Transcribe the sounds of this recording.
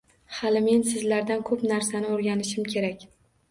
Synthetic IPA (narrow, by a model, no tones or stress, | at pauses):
halɪme̞nsɪzlaɾd̪ankʰɵpnaɾsanɪoɾɡʲanɪʃɪmkʲʰe̞ɾakʲ